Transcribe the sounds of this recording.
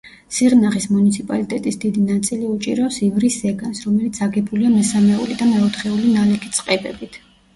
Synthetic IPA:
siʁnaχismunit̪sʰipʼalit̪ʼɛt̪ʼisd̪id̪inat̪sʼiliut͡ʃʼḭɾɔsivɾisɛɡansɾɔmɛlit̪sʰaɡɛbuliamɛsamɛṵlid̪amɛɔt̪χɛulinalɛkʰit̪sʼqʼɛbɛbit̪ʰ

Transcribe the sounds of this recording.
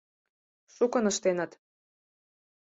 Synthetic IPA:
ʃukɤ̆nə̆ʃt̪enə̆t̪

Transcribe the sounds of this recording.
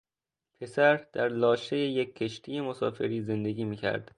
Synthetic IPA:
pʰe̞sæɾd̪̥æɾlɒːʃejejekʰːeʃt̪ʰije̞mosɒːfe̞ɾiːze̞nd̪e̞ɡʲiːmiːcʰæ̰ɾd̪̥

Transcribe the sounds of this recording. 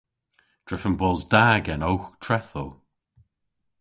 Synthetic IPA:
d̥ɹɪfənbɔlˠzdaːɡɛnowxtʰɹɛθəl

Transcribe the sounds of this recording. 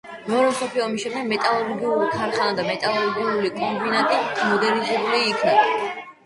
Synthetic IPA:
mɛɔɾɛmsɔpʰiɔmiʃɛmd̪ɛɡmɛt̪ʼalˠɔɾɡiulik̪ʰaɾχanad̪amɛt̪ʼalˠɔɾɡiulikʼɔmbinat̪ʼimɔd̪ɛɾnizɛbuliːkʰna

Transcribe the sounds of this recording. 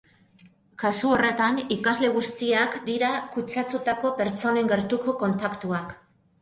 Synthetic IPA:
kasuo̞re̞t̪anikazle̞ɣ̞ust̪iakd̪iɾakut͡ʃat̪ut̪ako̞pe̞ɾt͡so̞ne̞ŋɡe̞ɾt̪uko̞ko̞nt̪akt̪uak

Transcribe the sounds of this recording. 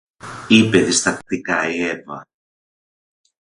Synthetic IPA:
ipe̞ðist̪ɐkt̪ikɐievɐ

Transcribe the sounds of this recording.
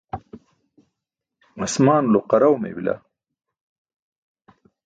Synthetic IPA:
ɐsmaːnloqɐɾawmḛbila̰

